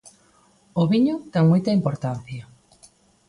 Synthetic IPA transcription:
oβiɲoʊt̪ɛŋmojt̪ɐimpoɾt̪an̟θjɐ

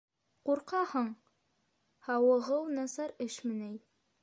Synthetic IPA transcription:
quɾqɑhɤɴ | hɑwɤ̆ʁɤwnɑsɑɾɘʃmɘ̆næj

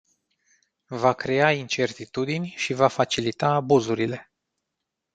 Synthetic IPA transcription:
vakɾe̞aint͡ʃe̞rt̪it̪ud̪inʲʃivafat͡ʃilit̪aːbuzuɾile̞

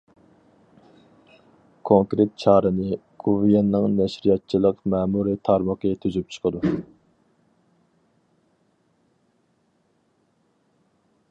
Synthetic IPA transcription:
kʰoŋkɾet̪̚t͡ʃʰɑːɾɨnɨɡ̥ʰuvjɑnːɨŋnɛʃɾijɑt̪̚t͡ʃʰilˠəqmɛːmuɾit̪ʰɑɾməqət̪ʰyzyp̚t͡ʃʰə̥qʰəd̪u

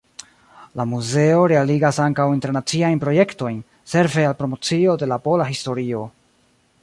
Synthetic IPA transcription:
lamuze̞o̞ɾe̞aliɡasaŋkawinte̞ɾnat͡siajnpɾo̞je̞kto̞jn | se̞ɾve̞alpɾo̞mo̞t͡sio̞de̞lapo̞laɦisto̞ɾio̞

